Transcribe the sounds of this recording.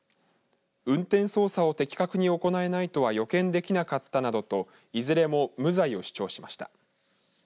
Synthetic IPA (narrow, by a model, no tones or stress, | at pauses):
ɯ̟̃nt̪ẽ̞ɰ̃so̞ːsao̞t̪e̞kʲi̥kakɯ̟ɲ̟io̞ko̞nae̞nait̪o̞β̞ajo̞kẽ̞nd̪e̞kʲinakat̪ːanad̪o̞t̪o̞ | izɨɾe̞mo̞mɯ̟zaio̞ɕi̥t͡ɕo̞ːɕi̥maɕi̥t̪a̰